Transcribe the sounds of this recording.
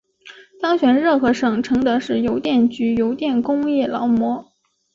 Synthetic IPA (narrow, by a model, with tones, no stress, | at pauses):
t̪ɑ˥ŋɕɥɛ˨˩nɻɤ˥˩xɤ˧˥ʂɤ˨˩ŋʈ͡ʂʰɤ˧˥ŋd̪ɤ˧˥ʂɻ̩˥˩jo˧˥ʊt̪jɛ˥˩nt͡ɕy˧˥jo˧˥ʊt̪jɛ˥˩nkʊ˥ŋjɛ˥˩lɑ˧˥ʊmwɔ˧˥